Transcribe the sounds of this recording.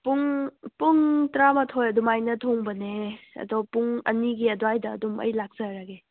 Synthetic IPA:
puŋpuŋtɾamɐtʰojɐdumajnɐtʰoŋbɐneɐ̰dɔpuŋɐ̰niɡiɐdwajdɐ̰ːdumɐ̰jlak̚saɾaɡe

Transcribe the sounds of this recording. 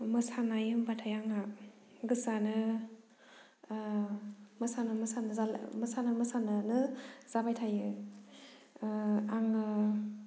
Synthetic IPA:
mɐsanajɯmbatʰajaŋa | ɡɯsanɯ | mɐsanɯmɐsanɯzamɐsanamɐsanɯnɯz̥abajtʰajɯ | aŋɯ

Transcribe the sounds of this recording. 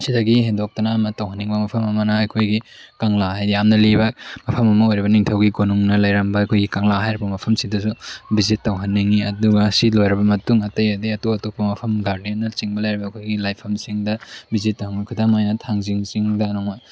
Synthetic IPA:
sidɐɡihendɔk̚tɐnɐːmɐtɐwɦɐnːiŋbɐmɐpʰɐmɐmɐnɐːjkʰojɡikaŋlahajdijamnɐlibɐmɐpʰɐmɐmɐojɾiβɐniŋtʰɐwɡiɡonuŋnɐlɐjɾɐmbɐɐkʰojɡikaŋlaɦajɾibɐmɐpʰɐmsidɐsubizitːɐwɦɐnːiŋiɐduɡɐsilojɾɐbɐmɐtuŋɐtɐjɐdiɐtoɐtopːɐmɐpʰɐmɡaɾdienːɐt͡ʃiŋbɐlɐjɾibɐːkʰojɡilajpʰɐmsiŋdɐbizitːɐhaŋɐkʰɐdamajnɐtʰaŋziŋsiŋdɐnɔŋma

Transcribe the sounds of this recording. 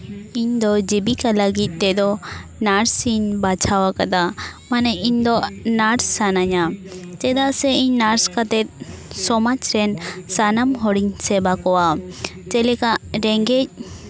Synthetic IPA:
iɲd̪ɔd͡ʒibikaləɡit̪̚ˀt̪ɛd̪ɔnaɾsiɲbat͡ʃʰawakad̪amanɛʔiɲd̪ɔʔnaɾsːanaɲat͡ʃɛd̪aʔsɛiɲnaɾskat̪ɛt̪̚sɔmat͡ʃɾɛnsanamɦɔɽiɲsɛbakɔwat͡ʃɛlɛkaʔɾɛŋɡɛc̚

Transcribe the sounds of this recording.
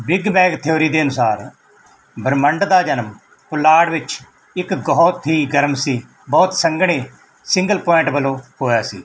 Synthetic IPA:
bɪɡbɛːɡt̪ʰjoːɾiːd̪eːənʊsaːɾ | bəɾməɳɖd̪aːd͡ʒənəm | pʊlaːɽʋɪt͡ʃ | ɪkɡɔːt̪ɦiːɡəɾəmsiː | bɔːt̪səŋɡɽeː | sɪ̃ŋɡəlpɔːɪɳʈbəlõːhoːjaːsḭː

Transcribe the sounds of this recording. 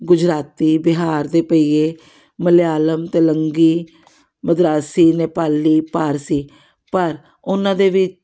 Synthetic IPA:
ɡʊd͡ʒɾaːt̪iːbɪɦaːɾd̪eːpəiːeː | məljaːləmt̪eːləŋɡiː | məd̪ɾaːsiːneːpaːliːpaːɾsiː | pəɾ | ʊnãːd̪eːʋɪt͡ʃ

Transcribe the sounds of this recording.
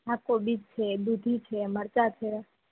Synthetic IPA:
akobid͡ʒt͡ʃʰebud̪ʱit͡ʃʰeməɾt͡ʃat͡ʃʰe

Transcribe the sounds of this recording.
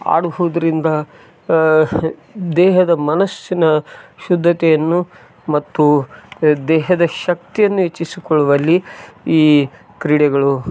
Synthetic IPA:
a̰ːɽuɦud̪ɐɾind̪ɐ | d̪ɛːɦɐd̪ɐmɐnɐsjinɐʃud̪ʱːɐt̪ɛjɐnːu | mɐt̪ːu | d̪ɛːɦɐd̪ɐʃɐk̚t̪ijɐnːuɦet͡ʃːisikɔɭuʋɐlːiiː | kɾiɽɛɡɐɭu

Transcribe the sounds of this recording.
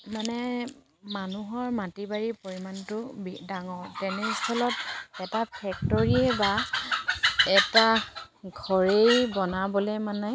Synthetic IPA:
manɛ | manuɦɔɹmatibaɹipoɹimantʊbidaŋɔɹtɛnɛskʰɔlɔtɛtapʰɛk̚tɔɹiɛba | ɛta | ɡʱɔɹejbɔnabɔlɛmanɛ

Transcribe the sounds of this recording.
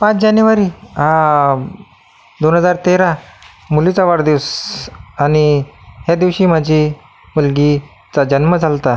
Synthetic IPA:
pãt͡sd͡ʑanjuʋaɾiɦã | d̪onɦəd͡zaɾt̪eɾa | mulit͡saʋaɽd̪iʋs | añihjad̪iʋɕiːm̤ad͡ʑʱi | mulɡi | t͡sad͡ʑənməd͡zʱalt̪a

